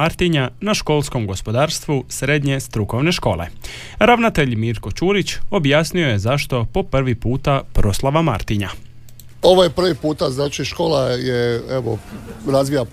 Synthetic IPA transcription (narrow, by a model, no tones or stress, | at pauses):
aɾt̪iɲanaʃko̞lˠsko̞mɡo̞spo̞d̪aːɾst̪ʋusɾed̪ɲe̞st̪ɾuko̞ʋne̞ʃko̞ːle̞̰ | ɾaʋnat̪e̞ʎmiːɾko̞t͡ʃuːɾit͡ɕo̞bjaːsnio̞je̞zaʃt̪o̞po̞pr̩ʋipuːt̪apɾo̞slˠaʋama̰ɾt̪iɲa̰ | oʋojepr̩ʋipuːt̪aznaːt͡ʃiʃkoːlˠajeeʋo̰ɾazʋija